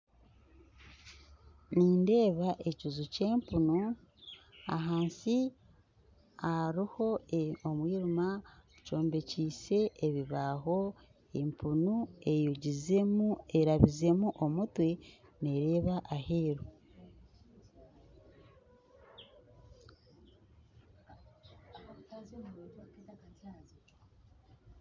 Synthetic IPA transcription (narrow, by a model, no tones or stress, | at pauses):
niːnde̞ːβaʔe̞cizuce̞ːmpunu | a̰ɦaːnsi | aɾiho̞omwiːɾuma | co̞ːmbe̞ciːse̞ːβiβaɦo̞ | empʰunue̞juɟizueɾaβize̞muʔomutwe̞ne̞ɾe̞ːβaʔaheːɾo